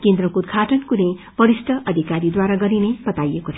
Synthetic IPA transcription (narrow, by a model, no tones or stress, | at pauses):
kend̪rʌkod̪̚ɡʱaʈʌnkune | b̥ʌɾisʈ̪ʰʌʔʌd̪ʱikaɾid̪waɾaɡʌɾineb̥ʌt̪ajekot͡sʰʌ